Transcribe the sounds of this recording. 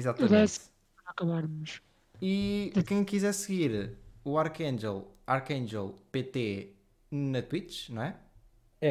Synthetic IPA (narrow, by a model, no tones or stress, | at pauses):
izat̪ɐɐmðɛs | ɐkɐβaɾmuʃ | ikɐ̃j̃kizɛɾsɨɣiɾuaɾkɐ̃nd͡ʒɛlˠaɾkɐ̃nʒɛ̰lˠpet̪e | nɐt̪wit̪ʃnɐ̃w̃ɛ | ɛ